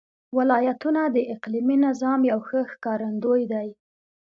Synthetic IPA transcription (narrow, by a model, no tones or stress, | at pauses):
wɪlɑjat̪unad̪əʔɪqliminɪzɑmjawxəxkɑɾand̪ojd̪aj